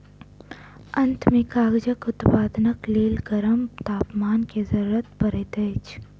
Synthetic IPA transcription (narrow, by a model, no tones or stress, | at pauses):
ɐnt̪ʰmẽkaːɡd͡ʒəkʊt̪paːd̪nəkleːlɡɐɾəmt̪aːpmaːnkezɐɾuːɾət̪̚pɐɾet̪eːt͡ʃ